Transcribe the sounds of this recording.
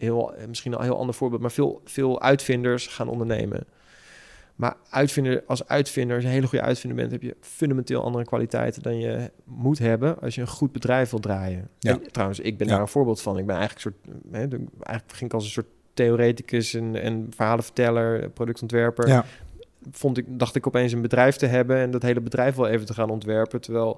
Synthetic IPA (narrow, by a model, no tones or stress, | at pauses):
ɦɪlˠmɪsχinɔ̰lˠɦɪːlˠɑ̰ndəɹv̥ʊːɹbɪːlˠt̚maːɹvɪːlˠvɪːlˠœ̰ɥtfɪndəɹsχaːnʔɔ̰ndəɹnḛjmə̰n | ma̰ːɹœɥtfɪndəɹɑlˠsœ̰ɥtfɪndəɹsənɦejləχujə̰ʔœ̰ɥtfɪndəbɛ̰ntɦɛpjə̰fɵndamɛntɪ̰ːlˠʔɑ̰ndərəkʋa̰ːlitɛ̰jtəndɑnjəmutɦɛbənɑ̰lˠsjəənχud̚bədrɛjfʋɪlˠdraːjənɛntrawə̃nsɪɡ̚bɛndaːɹənv̥ʊːɹbɪːlˠtfɑnɪɡ̚bɛnɛ̰jχələkəsʊːtɦɛɛ̰jχələkχɪŋɪkɑlˠs̬ənsʊːɹt | tejoɾejtikəsɛnɛ̰nfəɹɦaːlˠəfə̥ɹtɛləɹprowdɵk̚tɔntʋɛɹpəɹ | fontɪk̚dɑχtɪkɔpejns̬ənbədrɛjftəɦɛbənɛndɑtɦejləbədrɛjfʋɛlˠejvəntəχaːnɔntʋɛɹpətəɹʋɛlˠ